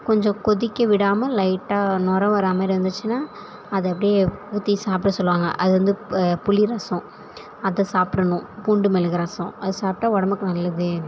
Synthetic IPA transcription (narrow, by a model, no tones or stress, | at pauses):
kɔɲd͡ʒɔ̃kɔðɪkʲːɐʋɪɽaːmɐlɐɪʈːaːnɔɾɐʋɐɾaːmɐɪɾʋɐnd̪ɯt͡ʃːɯnaː | ɐðɐɛpːɐɽɪjeuːt̪ːisaːpʈɐsɔlːʋaːŋɡɐ̰ʔɐðɯʋɐnd̪ɯpʊliɾɐsɔ̃ | ɐðɐsaːpɽɐnʊ̃puɳɖɯmɛlɯɣɐɾɐsɔ̃ɐðɯsaːp̚ʈaːɔɽɐmɯkːɯnɐlːɐðɯ